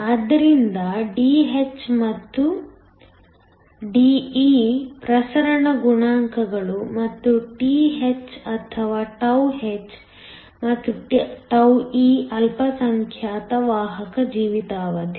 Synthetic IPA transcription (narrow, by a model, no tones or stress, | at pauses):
ɐd̪ɐɾind̪ɐɖiːɦet͡ʃːmɐt̪ːu | ɖiːiːpɾɐsɐɾɐɳɐɡuɳaːŋkɐɡɐɭumɐt̪ːuʈiːɦet͡ʃɐt̪ʰɐʋaːʈɐwɦet͡ʃː | mɐt̪ːuʈʈɐwiːɐlpɐsɐŋkʰjaːt̪ɐʋaːɦɐkɐd͡ʒiːʋit̪aːʋɐd̪i